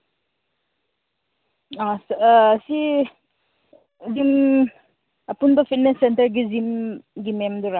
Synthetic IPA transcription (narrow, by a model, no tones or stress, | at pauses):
assi | zim | ɐpunbɐpʰit̚nesːentɐɾɡizimɡimemd̪uɾa